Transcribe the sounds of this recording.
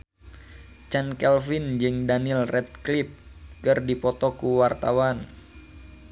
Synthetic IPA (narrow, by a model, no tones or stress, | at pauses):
t͡ʃɛnkɛlfind͡ʒɨŋdanilrɛt̪̚klɪp̚kɨrdipɔt̪ɔkuwart̪awan